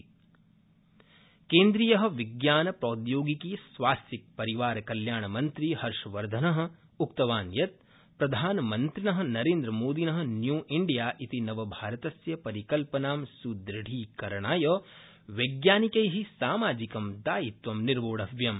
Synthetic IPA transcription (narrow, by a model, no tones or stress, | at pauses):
keːnd̪ɾiːjɐɦɐ̆ʋiɡjaːnɐpɾoːd̪joːɡikisʋaːst̪ik̚pɐɾiʋaːɾɐkɐljaːɳɐmɐnt̪ɾihɐɾʃɐʋɐɾd̪ʱɐnɐɦɐ̆ | ukt̪ɐʋaːnjɐt̪̚ | pɾɐd̪ʱaːnɐmɐnt̪ɾinɐɦɐ̆nɐɾeːnd̪ɾɐmoːd̪inɐɦɐ̆njuːʔiɳɖijaːʔit̪inɐʋɐbʱaːɾɐt̪ɐsjɐpɐɾikɐlpɐnaːmsud̪ɾɪɽ̤ʱiːkɐɾɐɳaːjɐː | ʋɐɡjaːnikɐjɦisaːmaːd͡ʒikɐmd̪aːjit̪ʋɐmniɾʋoːɽɐʋjɐm